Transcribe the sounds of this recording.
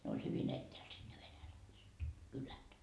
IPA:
ne olʲ hyʋin etːæːl sid̥ ne ʋenælæiset kylæt

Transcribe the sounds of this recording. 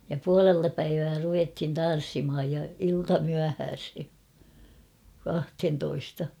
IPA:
jɑ puɑleltɑ pæiʋæː ruʋethin tɑn̞sːimhɑj jɑ iltɑmyæhæːshe kɑhthentoistɑ

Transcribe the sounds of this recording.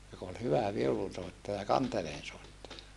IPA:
jok ol hyʋæ ʋiulunsoˑetːɑjɑ kɑnteleːnsoˑetːɑjɑ

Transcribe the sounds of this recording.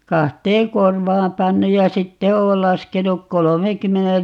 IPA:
kɑhteːŋ korʋɑːm pɑnːuj jɑ sitːe oːl lɑskenuk kolomeːkymːenel

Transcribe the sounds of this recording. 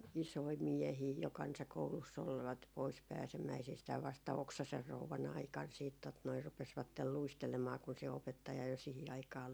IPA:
isoi miɛhiː jo kɑnsɑkoulusː olʋɑt pois pæːsemæisistæːʋ ʋɑstɑ oksɑser rouʋɑn ɑikɑn siːt tot noi rupesʋɑtːel luistelemɑː kun se opetːɑjɑ jo sihi ɑikɑː

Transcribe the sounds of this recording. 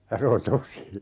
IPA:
jɑ se on tosi

